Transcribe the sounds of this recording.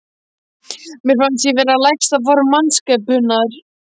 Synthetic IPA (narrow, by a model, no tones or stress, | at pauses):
mjɛɾ̥fansjɛvɛːɾalajkst̪aðvɔɾmanskɛpʏnaʏɾ̥